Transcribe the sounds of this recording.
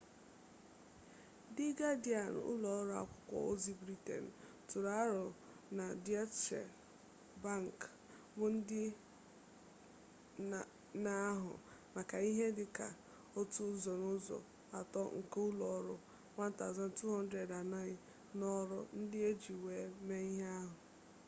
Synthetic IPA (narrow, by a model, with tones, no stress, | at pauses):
dɪ˦ɡa˦di˦a˨n̰˨ʊ̰˦lɔ˨ɔ˦ɾʊ˦a̰˦kʷʊ̥˦kʷɔ̰˨o˦zi˦bɾi˦tḛ˨n̩˨ | tʊ˨ɾa˦a˦ɾʊ˨ | na˨di˦a˦t͡ʃḛ˨ | ba˦ŋ˨k | bʊ˦n̩˦dɪ˦ | na˦ɦʊ̰˨ | ma˨ka˨i˦ɦe˦dɪ˨ka˨ | o˦tu˦zɔ˨nʊ˦zɔ̰˨ | a˨tɔ˦ŋ̩˨ke˦ʊ˦lɔ˨ɔ˦ɾʊ˦ | wa˦n̩˦ta˨za˦n̩˨tu˦ɦɔ˦n̩˦dɾe˨da˨na˦ɪ˦ | nɔ˦ɾʊ˦n̩˦dɪ˦e˦d͡ʒi˨we˨˦me˦i˦ɦe˦a˦ɦʊ˨